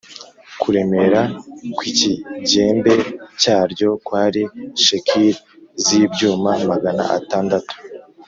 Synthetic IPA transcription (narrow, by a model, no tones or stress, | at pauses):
kuɾe̞me̞ɾakwiciɟe̞ːmbe̞caːɾɟo̞kwaːɾiʃekʰiɾ | zibɟuːmamaɡana̰ʔa̰taːndatu̥